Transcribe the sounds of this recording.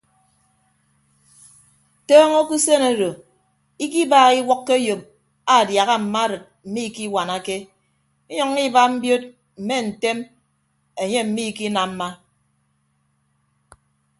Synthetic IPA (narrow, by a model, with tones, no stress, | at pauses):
tɔː˦ŋo˦ku˦se˦no˦ɾo˨ | i˦k̬i˦baː˨ɣi˦wɔ˦kːe˦jo˨p̚ | a˨dja˨ɣa˦m̩˨ma˦ɾɨ˨t̚m̩˨mi˦˨ki˦wa˨na˦ke˦ | i˦ɲɔ˨ŋ˦i˦ba˦m̩˦bjo˦t̚ | m̩˨me˦n̩˨te˦m | e˨ɲe˦m̩˨mi˦˨ki˦na˨m̩˦ma˦